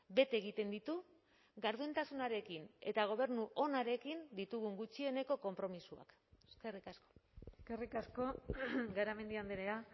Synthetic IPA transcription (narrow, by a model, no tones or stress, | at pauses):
be̞t̪eɣ̞it̪e̞nd̪it̪u | ɣaɾðuent̪asunaɾe̞kine̞̰t̪aɣ̞o̞β̞e̞ɾnuʔo̞naɾe̞kind̪it̪uɣ̞uŋɡut͡ʃie̞ne̞ko̞ko̞mpɾo̞misua̰k | eskerikasko̞̥skerikasko̞ɡaɾame̞nd̪iand̪eɾea